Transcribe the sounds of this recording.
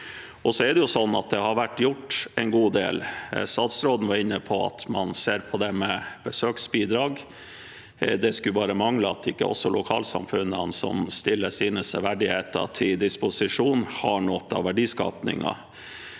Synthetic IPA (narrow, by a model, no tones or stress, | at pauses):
ɔsɔɛɖɛjʊsɔnːɑ̰t̪̚d̪ɛhɑɾʋæʈːjʊʈːɛɪnɡuːd̪ḛːlsɑt̪sɾoːd̪n̩ʋɑɾɪnːəpʰɔɑ̰t̪ʰmɑnseːɾpʰɔd̪ɛmɛb̥əsøːksbiːd̪ɾɑːɡ | d̪ɛskʉbɑːɾəmɑŋləɑt̪ɪkːəɔ̰sɔlʔʊkʰɑ̰ːlsɑ̰mfʉnːənsɔ̰mst̪ɪlːəsiːnəsəʋæɖɪheːt̪ə̰t̪ʰɪld̪ɪspʊsɪʂuːnhɑɳɔt̪ːɑ̰ʋæɖiːskɑ̰ːpnɪ̰ŋɑ̰